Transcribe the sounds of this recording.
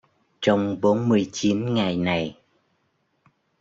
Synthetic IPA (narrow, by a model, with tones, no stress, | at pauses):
t͡ɕɔ˧wŋ͡mɓo˨˦nmɨ˧əjt͡ɕi˨˦nŋa˨˩jna˨˩j